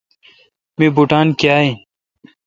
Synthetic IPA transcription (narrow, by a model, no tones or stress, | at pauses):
mibuʈaːnkjaːẽ